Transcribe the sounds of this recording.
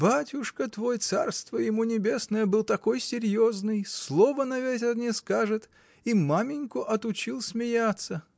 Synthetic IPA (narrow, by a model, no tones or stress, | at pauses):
batʲʊʂkət̪vojt̪sa̰rst̪vəjɪmunʲɪbʲe̞snəjəbɨlˠt̪ɐko̞jsʲɪɾʲjo̞znɨjslˠo̞vənɐvʲetʲɪrnʲɪskaʐɨt̪ | imamʲɪnʲkʊʔɐt̪ʊt͡ɕilˠsʲmʲɪjat̪sːə